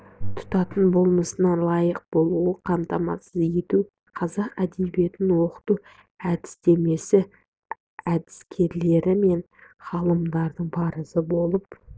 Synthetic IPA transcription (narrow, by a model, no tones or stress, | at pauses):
t̪ʰʊ̥t̪ɑt̪ənbo̞lˠməsənɑnlˠɑjəq̚bo̞lˠuəqʰɑmt̪ɑmɑ̰səze̞t̪u | qʰɑzɑqæd̪e̞bije̞t̪ɪnwo̞qə̥t̪u | æd̪ɪ̥st̪e̞me̞sɪ | æd̪ɪskʲʰe̞ɾle̞ɾɪme̞n | χɑlˠəmd̪ɑɾd̪əɴbɑɾəsəbo̞lˠəp